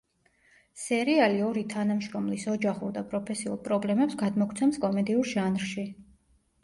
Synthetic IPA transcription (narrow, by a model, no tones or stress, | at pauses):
sɛɾialiɔɾit̪ʰanamʃɾɔmlisɔd͡ʒaχuɾd̪apʼɾɔpʰɛsiṵlˠpʼɾɔblɛmɛpsɡad̪mɔkʰt̪sʰɛmskʼɔmɛd̪iuɾʒanɾʃi